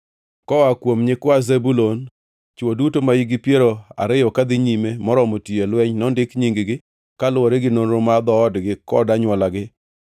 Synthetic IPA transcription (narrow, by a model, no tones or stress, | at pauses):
kɔwakwomɲɪkwazebulon | t͡ʃodutomajiɡɪpjeɾoa̰ɾɪjɔkad̪ɪɲimemɔɾɔmotielwɛɲnɔndɪkɲiŋɡɡɪ | kalwoɾeɡɪnoɾomad̪ɔːdɡɪkɔ̰daɲwɔlaɡɪ